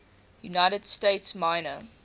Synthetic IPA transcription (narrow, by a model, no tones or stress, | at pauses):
junaɪɾəd̥steɪtsmãɪnə